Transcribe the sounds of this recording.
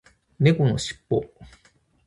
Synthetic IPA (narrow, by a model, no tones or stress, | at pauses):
nekonoɕi̥pːo̰